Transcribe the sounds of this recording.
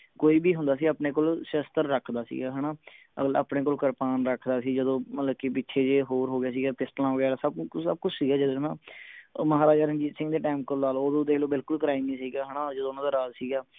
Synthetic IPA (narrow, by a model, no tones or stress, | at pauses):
koːiːbiːɦʊnd̪aːsiːaːpneːkoːlsəst̪əɾːəkʰd̪aːsḭːɡaːɦɛːnaː | əa̰ːpɽeːkoːlkəɾpaːnɾəkʰd̪aːsiːd͡ʒəd̪õːmət̪ləbkiːpɪtːʃʰeːd͡ʒeːɦoːɾɦoːɡɪjaːs̬iːɡaːpɪsʈlãːõːɡɪjaːasəbsəb̚kʊt͡ʃʰsiːɡaːd͡ʒəd̪õːnãːməɦaːɾaːd͡ʒaːɾənd͡ʒiːsɪ̃ŋɡd̪eːʈaːmkolnaːloːd̪õːd̪eːloːbɪlkʊlkɾaːɪimiːsiːɡaːɦɛːnaːd͡ʒəd̪õːnãːd̪aːɾaːd͡ʒsiːɡaː